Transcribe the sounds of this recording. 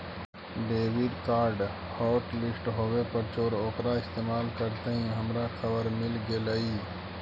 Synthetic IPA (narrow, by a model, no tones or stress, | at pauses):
ɖeːʋɪɖkaːɾɖ | hɔːʈlɪsʈɦoːwepəɾt͡ʃoːɾoːkɾaɪst̪eːmaːlkəɾt̪eɦĩɦəmɾaxʰəbəɾmɪlɡeləi